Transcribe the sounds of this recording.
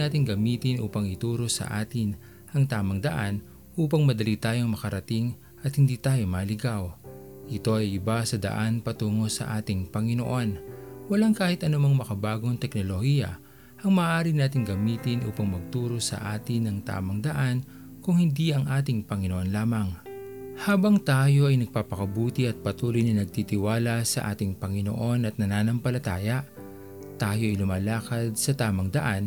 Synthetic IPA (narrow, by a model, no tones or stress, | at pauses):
aːt̪ɪŋɡɐmiːt̪ɪnʔṵːpɐŋɪt̪uːɾo̞sɐ̰ʔa̰ːt̪ɪn | ʔɐŋt̪aːmɐŋd̪ɐʔan | ʔuːpɐŋmɐd̪ɐlit̪aːjoŋmɐkɐɾɐt̪ɪŋ | ʔɐt̪̚hɪnd̪iːt̪aːjo̞maːlɪɡaw | ʔɪt̪o̞ʔɐjɪbasɐd̪ɐ̰ʔanpɐt̪uːŋo̞sɐ̰ʔaːt̪ɪŋpɐŋɪnoʔo̞nwɐlaŋkaːhɪt̪ʔɐnʊmɐŋmɐkɐbaːɡoɐŋt̪ɛknolohijɐ̰ | ʔɐŋmaːʔaːɾɪnaːt̪ɪŋɡɐmiːt̪ɪnʔṵːpɐŋmɐɡ̚t̪uːɾo̞sɐ̰ʔaːt̪ɪnɐŋt̪a̰ːmɐŋd̪ɐʔan | kʊŋhɪnd̪iɐŋʔaːt̪ɪŋpɐŋɪnoʔo̞nlaːmɐŋ | haːbɐŋt̪aːjo̞ʔɐjnɐɡ̚paːpɐkɐbuːt̪ɪʔɐt̪̚pɐt̪uːlojnɐnɐɡ̚t̪it̪ɪwaːlɐsɐ̰ʔa̰ːt̪ɪŋpɐŋɪno̞̰ʔo̞nɐt̪̚nɐnaːnɐmpɐlɐt̪aːjɐ | t̪aːjo̞ʔɐjlʊmaːlaːkɐd̪̚sɐt̪aːmɐŋd̪ɐʔan